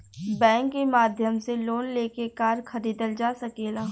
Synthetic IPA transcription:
bɛ̃ːŋkːemaːd̪ʱjəmseloːnleːkekaːɾxɐɾiːd̪əld͡ʒaːsɐkeːlaː

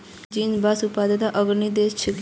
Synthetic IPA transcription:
d͡ʒinbasupad̪ət̪aʔəɡɾnid̪est͡ʃʰek

